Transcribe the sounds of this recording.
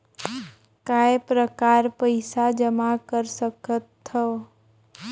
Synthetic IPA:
kaepɾəkaːɾpəɪsad͡ʒəmakəɾsəkət̪ʰːə

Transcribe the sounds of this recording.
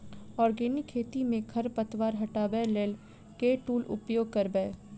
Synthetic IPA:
ɔːɾɡeːnɪkʰːeːt̪imẽkʰɐɾpɐt̪ʋaːɾɦɐʈaːbɛleːl | keʈuːlʊ̰pjoːɡ̚kɐɾbɛː

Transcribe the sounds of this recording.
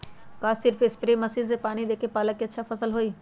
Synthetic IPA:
kaːsɪɾfɪspɾeːmɐsiːzepaːnid̪eːkʰepaːləkːiɐtːʃʰafɐsəlɦoːiː

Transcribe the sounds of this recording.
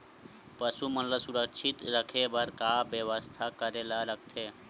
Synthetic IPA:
pəsumɐnləsuɾəkʃʰɪt̪ɾəkʰebɐɾkaːbjeʋəst̪ʰakəɾelaɾəɡ̚t̪ʰeː

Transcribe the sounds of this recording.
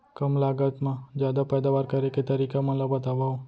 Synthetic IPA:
kəmlaɡət̪mãd͡ʒjad̪apɛd̪aʋaɾkəɾeket̪əɾikamə̃labət̪aʋao

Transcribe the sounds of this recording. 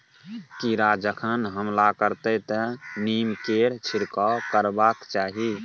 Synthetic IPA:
kiɾad͡ʒəkʰənɦəmlakəɾt̪ət̪ənimkeɾt͡ʃʰiɾkɔkəɾbakt͡ʃaɦi

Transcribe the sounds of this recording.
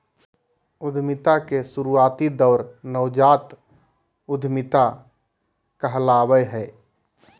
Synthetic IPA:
ʊd̪ʱmɪt̪akesʊɾuaːt̪id̪əʊɾnəʊd͡ʒaːt̪ | ʊd̪ʱmɪt̪a | kəɦlaːbəjɦɛː

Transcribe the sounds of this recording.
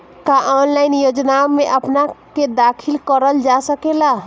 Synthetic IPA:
kaʔanlainjod͡ʒnameʔəpnaked̪akʰilkəɾəld͡ʒasəkela

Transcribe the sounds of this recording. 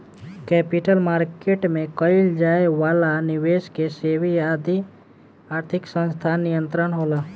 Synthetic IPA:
kɛːpɪʈəlmaːɾkeːʈmẽkəɪld͡ʒaːeʋaːlanɪweːskeseːʋiaːd̪ʱi | aːɾt̪ʰɪksə̃nst̪ʰanijə̃nt̪ɾənɦoːlaː

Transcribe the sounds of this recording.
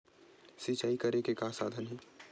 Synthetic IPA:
sit͡ʃaːikɐɾekekaːsaːd̪ʱənɦɛ̃ː

